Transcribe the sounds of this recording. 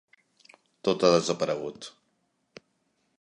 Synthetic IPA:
t̪ot̪aðəzəpəɾəɣ̞ut̪

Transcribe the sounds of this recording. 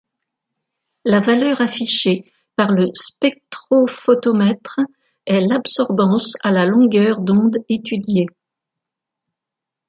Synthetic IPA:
lavalœʁafiʃe | paʁləspɛk̚t̪χofot̪ɔmɛt̪χ | ɛlabsɔʁbɑ̃salalɔ̃ɡʲœʁd̪ɔ̃d̪et̪yd̪je

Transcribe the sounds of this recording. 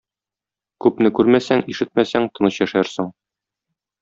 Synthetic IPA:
kʉpnɘkʉɾmæsæŋiʃɘt̪̚mæsæŋt̪ɤ̆nɤɕjæʃæɾsoŋ

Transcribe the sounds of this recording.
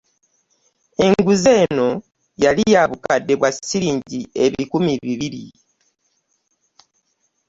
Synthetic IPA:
e̞ŋɡuze̞ːno̞ | jalijaβukadːe̞βwasːiɾiːɲɟie̞βikumiβiβiɾḭ

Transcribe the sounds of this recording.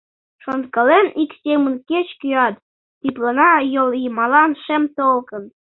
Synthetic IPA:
ʃont̪kɤ̆leniksʲemənket͡ɕkyɑt̪ː | iplɑnɑjoljimɑlɑnʃemt̪olˠkɤ̆n

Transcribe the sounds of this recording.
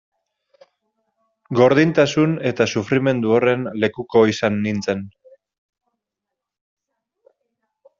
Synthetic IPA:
ɡo̞ɾð̞int̪asune̞t̪asufɾime̞nd̪uore̞nle̞kuko̞isanːint͡se̞n

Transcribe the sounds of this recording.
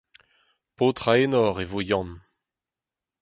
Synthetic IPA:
poːt̪ʁaenɔʁevojɑ̃n

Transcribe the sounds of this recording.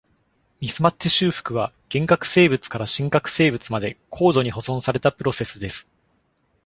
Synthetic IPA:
mʲisɨmatːiɕɨːɸɯ̥kɯ̟βaɡ̥ẽ̞ŋkakɯ̟̥se̞ːbɯ̟t͡sɨ̥kaɾaɕĩŋkakɯ̟̥se̞ːbɯ̟t͡sɨmad̪e̞kʰo̞ːd̪o̞ɲ̟iho̞zõ̞ɰ̃saɾe̞t̪apɯ̟ɾo̞se̞sɨd̪e̞sɨ̥

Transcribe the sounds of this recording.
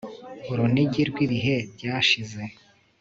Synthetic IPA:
uɾuniɟiɾɡwiβiɦe̞bɟaːʃize̞

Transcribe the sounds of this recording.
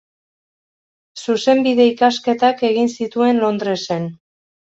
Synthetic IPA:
suse̞mbiðe̞ikaske̞t̪ake̞ɣinsit̪ue̞nlo̞nd̪ɾe̞se̞n

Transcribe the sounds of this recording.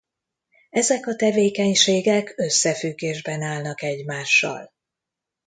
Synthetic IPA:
ɛzɛkɒt̪ɛveːkɛɲʃeːɡɛkøsːɛfyɡːeːʒbɛnaːlnɒkɛɟmaːʃːɒ̰l

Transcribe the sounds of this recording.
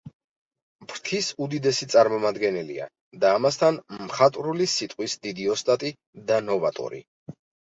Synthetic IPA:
bɾt̪ʰisud̪id̪ɛsit̪sʼaɾmɔmad̪ɡɛnɛlḭa̰ | d̪aːmast̪ʰanmχat̪ʼɾulisit̪ʼqʼwisd̪id̪iɔst̪ʼat̪ʼi | d̪anɔvat̪ʼɔ̰ɾḭ

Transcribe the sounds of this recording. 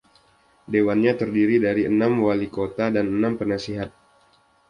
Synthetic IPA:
dewanɲat̪ərdiɾidaɾiʔənamwalikot̪adanənampənasiɦat̪̚

